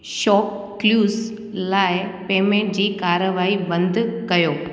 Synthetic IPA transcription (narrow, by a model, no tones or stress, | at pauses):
ʃɔːp̚ | kluːz | laːɪpeːmẽʈ̚d͡ʑiːkaːɾəʋaːibɐ̃nd̪ʱkɐjoː